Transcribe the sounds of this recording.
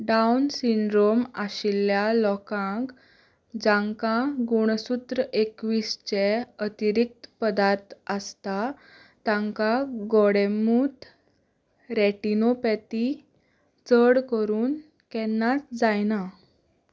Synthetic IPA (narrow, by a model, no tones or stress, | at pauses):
ɖawnsiɳɖɾomaɕilːjalɔkãŋk | d͡ʑãŋkaɡuɽ̃sut̪ɾəʔekʋist͡ɕeət̪iɾik̚t̪pəd̪aɾt̪əst̪a | t̪ãŋkaɡɔɽemuːt̪ | ɾɛʈinopɛt̪i | t͡səɽkəɾuːn | kɛnːasd͡zajna